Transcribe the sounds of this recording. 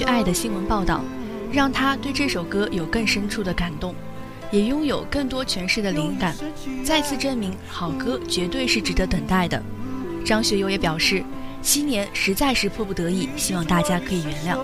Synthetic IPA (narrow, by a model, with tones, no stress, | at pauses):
ʔa˥˩ɪd̪ə˩ɕi˥nwə˧˥npɑ˥˧ʊt̪ɑ̰˥˩ʊ | ɻɑ˥˩ŋt̪ʰa˥t̪we˥˧ɪʈ͡ʂɤ˥˩ʂo˨˩ʊkɤ˥jo˨˩ʊkɤ˥˩ŋʂə˥nʈ͡ʂʰu˥˩d̪ə˩ka˨˩nt̪ʊ˥˩ŋ | jɛ˨˩jʊ˥ŋjo˨˩ʊkɤ˥˩ŋt̪wɔ˥t͡ɕʰɥɛ˧˥nʂɻ̩˥˩d̪ə˩li˧˥ŋka˨˩nt͡sa˥˧ɪt͡sʰɹ̩˥˩ʈ͡ʂə˥nmi˧˥ŋxɑ˨˩ʊkɤ˥t͡ɕɥɛ˧˥t̪we˥˧ɪʂɻ̩˥˩ʈ͡ʂɻ̩˨˩d̪ə˧˥t̪ə˨˩ŋt̪a˥˩ɪd̪ə̰˩ʈ͡ʂɑ˥ŋɕɥɛ˧˥jo˧˥ʊjɛ˧˥pjɑ˨˩ʊʂɻ̩˥˩ | t͡ɕʰi˥njɛ˧˥nʂɻ̩˧˥t͡sa˥˧ɪʂɻ̩˥˧pʰwɔ˥˩pu˥˩t̪ɤ˧˥i˥˩ɕi˥wɑ˥˧ŋt̪a˥˩t͡ɕja˥kʰɤ˧˥i˨˩ɥɛ˧˥nljɑ˥˩ʊ